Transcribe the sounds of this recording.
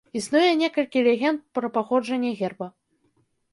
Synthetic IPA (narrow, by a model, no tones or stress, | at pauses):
isnujɛnʲɛkɐlʲkʲilʲɛɣʲɛnt̪̚pɾɐpaxɔd͡ʐɐnʲːɛɣʲɛrbɐ